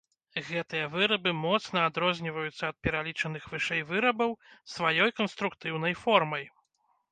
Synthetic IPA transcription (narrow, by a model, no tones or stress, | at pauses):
ɣɛt̪ɨjɐvɨɾɐbɨmɔt̪snɐad̪ɾɔzʲnʲivɐjut̪sːɐːt̪̚pʲɛɾalʲit͡ʂɐnɨxvɨʂɛjvɨɾɐbɐwsvajɔjkɐnst̪ɾukt̪ɨwnɐjfɔrmɐj